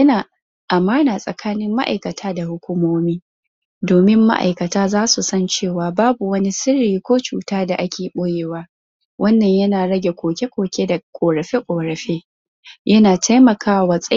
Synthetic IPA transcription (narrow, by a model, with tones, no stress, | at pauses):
jɐ˦naː˨ | ʔa˨maː˦naː˨sʼɐ˨kʰaː˦nɪ˦mːa̰˦ʔa̰˨jkɐ˨tʰaː˦da˨hʊ˦kʷu˦moː˦miː˦ | doː˨mɪ˦mːa̰˦ʔa̰˨jkɐ˨taː˦zaː˦su˨sɐ˦nt͡ʃeː˦˨waː˨baː˦bu˨wɐ˦ni˦sɪ˦riː˨kʷoː˦t͡ʃuː˨taː˦da˨ʔa˦kʲeː˨ɓʊ˦jeː˨waː˦ | wʔɐ˦nːɐ˨ɲjɐ˦naː˨ɽɐ˦ɡʲe˨kʷoː˨kʲe˦kʷoː˨kʲe˦da˨kʷʼoː˨ɾɐ˨ɸe˦kʷʼoː˨ɾɐ˨ɸeː˦ | jɐ˦naː˨tʰa˦jmɐ˨kʰaː˦˨wa˨sʼe˦